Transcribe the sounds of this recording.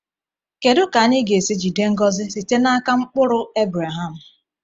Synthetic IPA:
ke˨dʊ˦ka˨˦ni˦ɡe˨si˦d͡ʒi˨de˦ŋ̩˦ɡɔ˦zɪ˦si˨te˦na˦ka˦ŋ͡m̩˦k͡pʊ˦ɾʊ˦e˦bɾa˨ɦa˦˨m̩˨

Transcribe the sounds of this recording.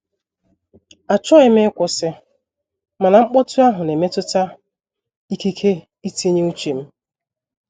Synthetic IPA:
a˨t͡ʃɔ˦ɪ˦me˦kʷʊ˨sɪ˦ | ma˨na˨ŋ͡m̩˦k͡pɔ˦tʊ˦a˦ɦʊ˨ne˨me˦tʊ˦ta˦ | i˦ki˦kʰe˦ | i˦ti˦ɲe˦u˦t͡ʃe˨m̩˦

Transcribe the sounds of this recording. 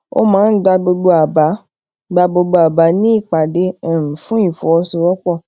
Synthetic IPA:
o̰˦mãː˨˦n̩˦ɡ͡ba˧bo˧ɡ͡bo˧a˨ba˨˦ | ɡ͡ba˧bo˧ɡ͡bo˧a˨ba˨˦nĩ˦i˦˨k͡pa˨de˧ɛ˨ɾ̃ũ˨fũ˦ĩ˨fɔ˨ɔ˧su˧ɾɔ˦k͡pɔ˦˨

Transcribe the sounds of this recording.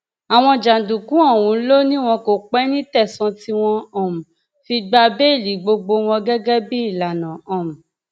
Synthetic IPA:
a˨w̃ɔ̃˧d͡ʒa˨du˨kũ˨˦ɔ˦˨wũ˨˦lo˦nĩ˦w̃ɔ̃˧ko˨k͡pɛ˦nĩ˦tɛ˦˨sɔ̃˧ti˦w̃ɔ̃˧ɔ̃˨m̩̃˨ | fi˧ɡ͡ba˧be˦i˦˨li˨˦ɡ͡bo˧ɡ͡bo˧w̃ɔ̃˧ɡɛ˦ɡɛ˦bi˦i˦˨la˨nã˨ɔ̃˨mũ˨

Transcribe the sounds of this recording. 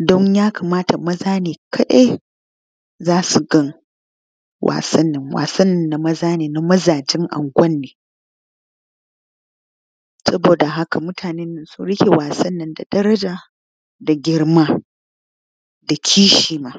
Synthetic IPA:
dɔ˦ɲjaː˦kɐ˨maː˦ta˨mɐ˦zaː˦neː˨kʰɐ˦ɗe˦ | zaː˦su˨ɡɐ˦ŋ | wʔa̰ː˨sɐ˦nːɪ˨ŋwa̰ː˨sɐ˦nːɪ˦nːa˨mɐ˦zaː˦neː˨na˨mɐ˦zaː˨d͡ʒɪ˦ŋʔa̰˨ŋɡʷɐ˦nːeː˨ | sɐ˦boː˨da˨ɦa˦ka˨mʊ˦tʰaː˨ne˦nːɪ˨nsʊ˦ɽɪ˦kʲe˨waː˨sɐ˦nːɐ˨nda˨dɐ˦ɾɐ˦d͡ʒaː˨ | da˨ɡʲɪ˦ɽmaː˦ | da˨kʲʰiː˦ʃiː˨maː˦

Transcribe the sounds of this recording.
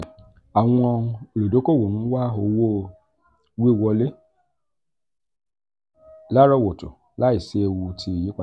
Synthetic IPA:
a˨wɔ̃˦˧ɔ˧o˨lo˨do˨˦ko˦˨wo˨nũ˦wa˦o˧wo˦ | we˦˨wɔ˧le˦ | la˦ɾɔ˦˨wo˨tṵ˨ | la˦i˨se˦˧wu˧tʰi˧˨ji˦kʷa˨

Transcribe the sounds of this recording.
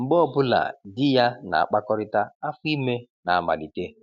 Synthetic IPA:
ŋ͡m̩˨ɡ͡bɔ˦bʊ˦la̰˨dɪ˦ja˦na̰˨a̰˨k͡pa˦kɔ˦ɾɪ˦ta˦a˦fʊ˦i˦me˦na˨a˨ma̰˨li˨te˦

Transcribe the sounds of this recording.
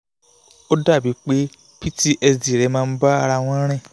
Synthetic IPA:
o˦da˦˨bi˨˦k͡pe˦ | pi˦ti˦ʔɛ˧sdi˨ɾɛ˨˦mãː˧˦ba˦a˧ɾa˧w̃ɔ̃˧˦ɾ̃ɛ̃˦˨

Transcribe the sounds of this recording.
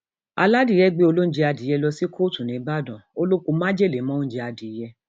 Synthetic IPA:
a̰˧la˦di˦˨jɛ˦ɡ͡be˧˦o˧lo˦n̩˦d͡ʒe˧a˧di˨˦jɛ˧lɔ˧si˦kʰo˦˨tũ˨nĩ˨˦ba˦˨dɔ̃˨o˦lo˦ku˧mã˦d͡ʒe˦˨le˨˦mɔ̃˦n̩˦d͡ʒe˧a˧di˨˦jɛ˧

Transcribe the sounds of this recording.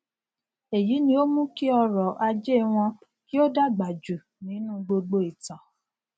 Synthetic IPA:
e˨ji˨˦nĩ˧o˦mũ˦ki˦ɔ˧ɾɔ˨ʔa˧d͡ʒe˦˨w̃ɔ̃˧ | ki˦o˦da˦ɡ͡ba˨d͡ʒu˨ | nĩ˨˦nũ˦˨ɡ͡bo˧ɡ͡bo˧˦i˨tã˨

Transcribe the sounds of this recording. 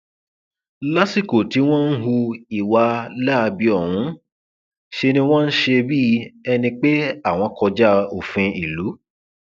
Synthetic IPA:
la˦si˦˨ko˨ti˨˦w̃ɔ̃˦n̩˦ɦu˧i˨wa˧la˦˧bi˦ɔ˦˨hũ˨˦ | ʃe˧nĩ˧w̃ɔ̃˦n̩˦ʃe˧bi˦ɛ˧nĩ˧k͡pe˦a˦˨w̃ɔ̃˧kɔ˧d͡ʒa˦o˨fɛ̃˧i˨lu˨˦

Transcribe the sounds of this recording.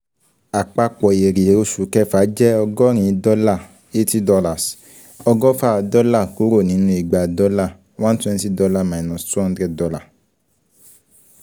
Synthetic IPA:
a˨k͡pa˧k͡pɔ˨e˨ɾe˨o˧˦ʃu˨˦kɛ˦˧faː˨˦d͡ʒɛ˦ɔ˧ɡɔ˦ɾ̃ĩ˨˧˦dɔ˧˦la˦˨ | e˦ti˦dɔ˧la˨s | ɔ˧ɡɔ˦fa˦˧dɔ˦la˦˨ku˨˦ɾo˦˨nĩ˨˦nũ˧˦i˨ɡ͡ba˨dɔ˧˦la˦˨˦wã˦n̩˦tũ˦ɛ̃˧nĩ˦si˦dɔ˧la˦˨mã˨nɔ̃˨stu˦ɔ̃˧n̩˦dɾɛ˧˦dɔ˧la˦˨

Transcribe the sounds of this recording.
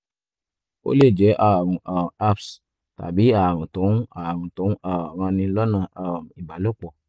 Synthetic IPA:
o̰˦le˦˨d͡ʒɛ˨˦ʔa˦˨ɾũ˨a˨a˦˨ps | ta̰˨bi˨˦a˦˨ɾ̃ũ˨tõ˨˦a˨ɾũ˨tõ˨˦a˦˨ɾ̃ã˧nĩ˧lɔ˦nã˦˨a˨m˨i˨ba˨˦lo˦˨k͡pɔ˨

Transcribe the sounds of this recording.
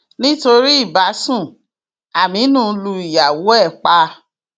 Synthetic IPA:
nĩ˦to˧ɾi˦i˦˨ba˨˦sũ˦˨ | a˨mĩ˨˦nũː˦˨˦lu˧i˨ja˨wo˨˦ɛ˦˨k͡pa˧

